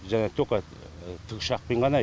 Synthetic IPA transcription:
ʒænet̪ʰoka | t̪ʰəkʃɑq̚pʰəjɴʁɑnɑ

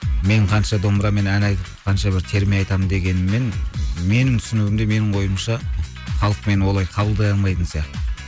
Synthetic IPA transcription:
me̞ɴqʰɑnʃɑd̪o̞mbɾɑme̞nænɑjt̪ɪpqʰɑnʃɑbɪɾt̪ʰe̞ɾmejɑjt̪ɑmənd̪e̞ɡʲe̞nɪme̞nme̞nɪŋt̪ʰʏ̥sɪnuwɪmd̪e̞me̞nɪɴwo̞jəmʃɑ | χɑlˠəq̚me̞nwo̞lˠɑjqʰɑbəlˠd̪ɑjɑlˠmɑjt̪ənsijɑqt̪ə

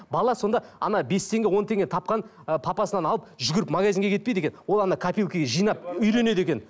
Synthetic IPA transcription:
bɑlˠɑso̞nd̪ɑɑ̰nɑbe̞st̪ʰe̞ŋɡʲewo̞nt̪ʰe̞ŋɡʲet̪ʰɑp̚qɑn | pʰɑpɑsənɑnɑlˠəpʒʏɡʲɪɾɪpmaɡazʲiŋɡʲe̞kʰʲet̪ped̪ekʲenwo̞lˠɑnɑkʰapʲilˠkʲeɡʲeʒijnɑp̚ʏjɾe̞ne̞d̪e̞kʲe̞n

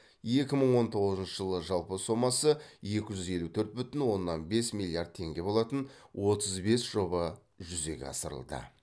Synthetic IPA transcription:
je̞kʲɪməɴwo̞nt̪ʰo̞ʁəzənʃəʒəlˠəʒɑlˠpəso̞mːɑsəje̞kʲɪʒʏze̞lut̪ʰɵɾt̪̚bʏt̪ɪnwo̞nːɑnbe̞smilʲˠijard̪̚t̪ʰe̞ŋɡʲe̞bo̞lˠɑt̪ənwʔo̞t̪əzbe̞sʒ̥o̞bɑ | ʒʏze̞̰ɡʲḛɑ̰səɾə̰lˠd̪ə̰

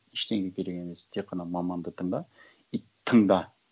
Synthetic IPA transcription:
ɪʃt̪e̞ŋɡʲekʲʰeɾekʲeme̞st̪ʰek̚qʰːɑnɑmɑmɑnd̪ət̪ʰəɴd̪ɑ | i | t̪ʰːəŋd̪ɑ

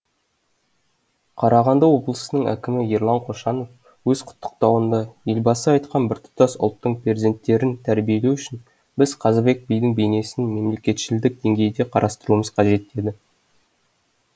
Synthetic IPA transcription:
qʰɑɾɑʁɑnd̪ɑwo̞blˠəsənəɴæ̰kʲɪmɪjeɾlˠɑɴqʰo̞ʃɑno̞f | wɵz̥qʰʊ̥t̪ʰːə̥q̚t̪ɑwənd̪ɑje̞lbɑsəɑjt̪qɑnbɪɾt̪ʰʊ̥t̪ɑsʊ̰lˠt̪ːəɴprʲezʲe̞nt̪ːe̞ɾɪnt̪ʰæɾbije̞lewʏʃɪn | bɪz̥qʰɑzbe̞k̚bijd̪ɪŋbejne̞sɪnme̞mle̞kʲe̞t̪ʃɪld̪ɪk̚d̪e̞ŋɡʲe̞jd̪e̞qʰɑɾʔɑst̪əɾuəməzqʰɑʒe̞t̪̚ːe̞d̪ɪ

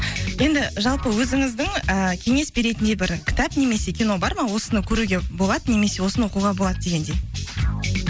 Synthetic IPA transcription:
je̞nd̪ɪʒɑlˠpəwɵzɪŋɪzd̪ɪŋəkʲʰe̞ŋe̞sbe̞ɾe̞t̪ɪnd̪e̞bɪɾkʲʰɪ̥t̪ɑpne̞me̞se̞kʲino̞bɑɾmɑwo̞sənəkʲʰɵɾuɡʲe̞bo̞lˠɑd̪əne̞me̞se̞wo̞sənəwoquʁɑbo̞lˠɑd̪əd̪e̞ɡʲe̞nd̪e̞

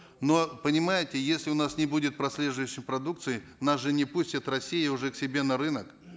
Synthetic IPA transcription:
no̞pənʲɪmajɪtʲɪjesʲlʲɪʊnasnʲɪbudʲɪt̪̚pɾɐsʲlʲe̞ʐʊjʉɕːɪmpɾɐd̪ukt̪sɨjɪnasʐɨnʲɪpusʲtʲɪt̪rɐsʲːijɪʊʐɛksʲɪbʲe̞nɐɾɨnək

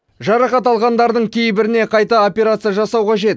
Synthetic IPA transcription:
ʒɑɾɑqɑt̪ɑlˠʁɑnd̪ɑɾd̪əɴkʲʰe̞jbɪɾɪne̞qʰɑjt̪ɑo̞pʲe̞ɾat̪sɨjaʒɑsɑwqɑʒe̞t̪

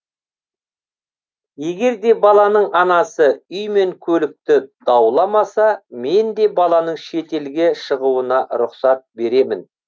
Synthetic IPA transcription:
je̞ɡʲe̞ɾd̪e̞bɑlˠɑnəɴɑnɑsəʏjme̞ŋkʲʰɵlɪk̚t̪ɪd̪̥ɑwlˠɑmɑsɑme̞nd̪e̞bɑlˠɑnəɴʃe̞t̪e̞lɡʲeʃəʁuənɑɾʊqsɑt̪̚be̞ɾe̞mɪn

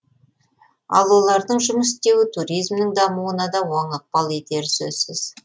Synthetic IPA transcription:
ɑ̰lˠwo̞lˠɑɾd̪əɴʒʊməst̪e̞wɪt̪ʰuɾijzmnɪŋd̪ɑmuənɑd̪ɑwɑɴəq̚pɑlˠet̪e̞ɾɪsɵz̥sɪz̥

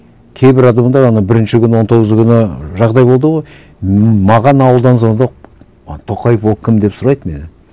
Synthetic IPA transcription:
kʲʰe̞jbɪɾɑd̪ɑmd̪ɑɾɑnɑbɪɾɪnʃɪkʲʰʏnɪwo̞nt̪o̞ʁəzəkʲʰʏnɪʒɑʁd̪ɑjbo̞lˠd̪əʁoj | mɑʁɑnɑwəlˠd̪ɑnsond̪oq̚ | t̪ʰo̞qɑjefwo̞lˠkʲʰɪmd̪e̞psʊɾɑjd̪me̞nɪ

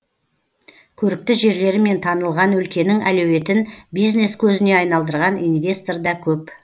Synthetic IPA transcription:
kʲʰɵɾɪk̚t̪ɪʒe̞ɾle̞ɾɪme̞nt̪ʰɑnəlˠʁɑnɵlkʲe̞nɪŋælɵwe̞t̪ɪnbijzne̞skʲʰɵzɪne̞ɑjnɑlˠd̪əɾʁɑninvʲe̞st̪o̞rd̪ɑkʲʰɵp

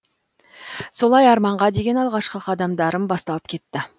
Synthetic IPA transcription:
so̞lˠɑjɑɾmɑɴʁɑd̪e̞ɡʲe̞nɑlˠʁɑʃqəqʰɑd̪ɑmd̪ɑɾənbɑst̪ɑlˠəp̚kʲʰe̞t̪ːɪ

